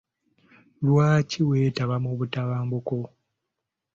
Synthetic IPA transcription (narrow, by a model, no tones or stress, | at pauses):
lwaːciwe̞ːtaβamuβutaβaːmbuko